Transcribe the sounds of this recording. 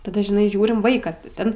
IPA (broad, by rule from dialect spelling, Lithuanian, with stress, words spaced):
tɐˈdɐ ʒʲɪˈnɐɪ ˈʒʲuːrʲɪm ˈʋɐɪkɐs tʲɪ ˈtʲɛn